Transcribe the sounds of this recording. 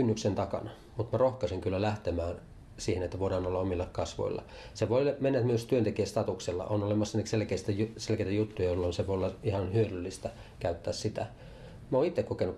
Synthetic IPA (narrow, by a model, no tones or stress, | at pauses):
kynːyksent̪ɑkɑ̰nɑ | mut̪mærohkɑsiŋkylːælæht̪emæːn | siːhenet̪ːæʋoˑidɑːnolːɑomilːɑkkɑsʋo̰ḭlːɑ̰ | seʋoilmenːæt̪myøst̪yønt̪ekiæst̪ɑt̪ukselːɑ̰ʔonolemɑsːɑnːekselkeist̪æjuselkeit̪æjut̪ːujɑjolːonseʋoolːɑihɑnhyødylːist̪æ | kæyt̪ːæːssit̪æ̰ | mæoːnit̪ːekkokenu